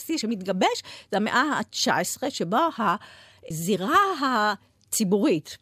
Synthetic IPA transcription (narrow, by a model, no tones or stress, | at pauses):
siʃemit̪ɡabeʃzehamḛʔaat͡ʃa̰esʁeʃeboha | ziʁaɦa | t͡sibuʁit̪